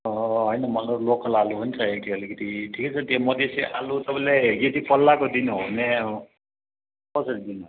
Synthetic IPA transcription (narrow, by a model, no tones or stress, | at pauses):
ɦʌjnʌmʌnoɾlokʌlaluɦunt͡sʰʌɦekiʌlikʌt̪iʈʰikat͡sʰʌt̪imʌd̪esiʔalut̪ʌpãleɡet̪ipʌlːakod̪inɦone | kʌsʌɾid̪in